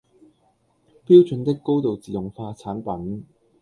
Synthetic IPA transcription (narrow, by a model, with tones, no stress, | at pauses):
piː˥wt͡ʃɵ˨˥nt̪ɪ˥kːo˥wt̪o˨wt͡siː˨jʊ˨˩ŋfaː˧t͡sʰaː˨˥npɐ˨˦˥n